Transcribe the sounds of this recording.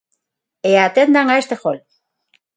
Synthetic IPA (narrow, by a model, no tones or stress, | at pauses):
eat̪end̪aŋaest̪exol